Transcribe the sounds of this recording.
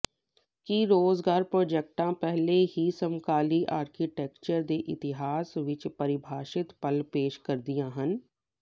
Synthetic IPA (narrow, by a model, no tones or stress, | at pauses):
kiɾoːzɡaːɾpɾoːd͡ʒek̚ʈãpɛɦleɦisəmkaːliʔaːɾkiʈeːkt͡ʃəɾd̪eːʔɪt̪ɪɦaːsʋɪt͡ʃpɐɾɪbʱaːʃɪt̪pəlpeːʃkɐɾd̪ijãːɦən